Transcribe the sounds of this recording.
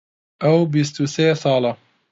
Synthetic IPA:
ʔawbɪst̪useːsˤɑːla

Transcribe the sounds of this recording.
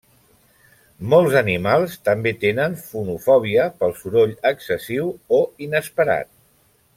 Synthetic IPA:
mɔlˠzənimalˠst̪əmbet̪enənfunufɔβ̞iəpəlˠsuɾoʎəksəsiwoinəspəɾa̰t̪̚

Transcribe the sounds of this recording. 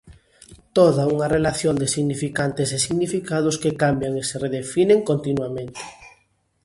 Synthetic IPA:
t̪oðauŋɐrelaθjond̪ɪsiɣnifikant̪esesiɣnifikaðʊskekambjaŋesereðefineŋkont̪inwamẽnt̪ɪ̥

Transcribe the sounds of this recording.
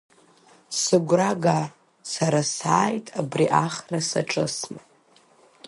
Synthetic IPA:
sɨɡʷraɡa | saɾasaːjtʼabriʔaχrasaʈ͡ʂʼɨsnɨ

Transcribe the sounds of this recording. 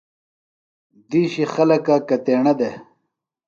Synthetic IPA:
d̪iːɕixɐlɐkakɐt̪eːɳɐd̪e

